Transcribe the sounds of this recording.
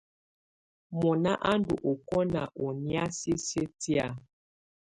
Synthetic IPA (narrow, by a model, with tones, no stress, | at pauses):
mɔ˨na˦ʔa˦ndṵ˨ʔo˨kɔ˦na̰˨ʔo˨ni˦a˦si˦se˦ti˦a˦˨